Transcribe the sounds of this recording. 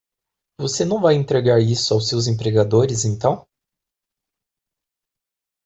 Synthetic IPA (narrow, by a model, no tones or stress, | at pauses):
vosenɐ̃w̃vajẽnt̪ɾeɡaɾisʊawsewzẽpɾeɡad̪oɾɪzẽnt̪ɐ̃w̃